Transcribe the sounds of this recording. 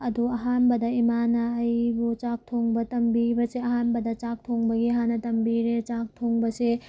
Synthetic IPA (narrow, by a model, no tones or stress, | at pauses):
ɐduɐɦanbɐdɐimanɐːjbut͡ʃak̚tʰoŋbɐtɐmbibɐseɐɦanbɐdɐt͡ʃak̚tʰoŋbɐɡiɦanːɐtɐmbiɾet͡ʃak̚tʰoŋbɐse